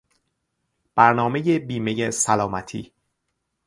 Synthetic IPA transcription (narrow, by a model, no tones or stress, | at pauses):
b̥æɾnɒːme̞jebiːme̞jesælɒːmæt̪ʰiː